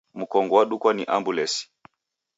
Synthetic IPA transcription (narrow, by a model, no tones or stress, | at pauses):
m̩kɔŋɡɔwaɗukwaniʔambulɛsi̥